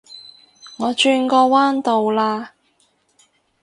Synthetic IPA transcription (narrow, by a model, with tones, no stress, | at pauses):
ŋɔː˨˧t͡ʃyː˧nkɔː˧waː˥nt̪o˨wlaː˧